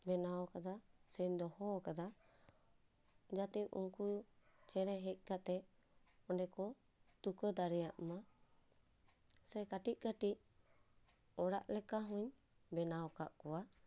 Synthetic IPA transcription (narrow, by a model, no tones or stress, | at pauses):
bɛnaɔkad̪asɛɲd̪ɔhɔkad̪a | d͡ʒat̪iṵŋkut͡ʃɛɾɛɦɛc̚ˀkat̪ɛ | ɔnɖɛkɔ | t̪ukəd̪aɾɛjaʔma | sɛkaʈiʔ̚kaʈiʔ | ɔɽa̰ʔlɛkaɦũɲ | bɛnaɔkaʔkɔwa